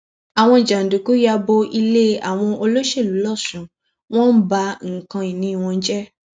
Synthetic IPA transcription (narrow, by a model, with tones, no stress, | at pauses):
a˨w̃ɔ̃˧i˨d͡ʒa˨n̩˨du˨ku˨˦ja˧bo˧ʔi˧le˦a̰˨w̃ɔ̃˧o˧lo˦ʃe˦˨lu˨˦lɔ˦˨sũ˨ | w̃ɔ̃˦n̩˦ba˧ŋ̩˨kã˧i˨nĩ˨˦˧w̃ɔ̃˧n̩˦d͡ʒɛ˦